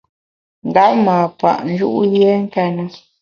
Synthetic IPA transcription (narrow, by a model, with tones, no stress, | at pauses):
n˨da˦ʔmaː˨pa̰˨ʔn˦d͡ʒṵ˦ʔje˦ŋ˦ka˦nə˨